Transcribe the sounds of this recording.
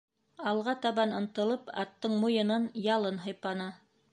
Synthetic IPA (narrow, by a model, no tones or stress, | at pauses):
ɑlˠʁɑt̪ɑβɑnɤ̆nt̪ɤ̆lˠɤpɑ̰t̪ːɤɴmujɤ̆nɤnjɑlˠɤnɦɤ̆jpɑnɑ